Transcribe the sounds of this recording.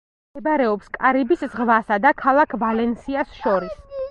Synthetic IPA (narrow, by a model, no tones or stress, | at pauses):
ɛbaɾɛɔpskʼaɾibiszʁvasad̪akʰalˠakʰvalɛnsiasʃɔɾis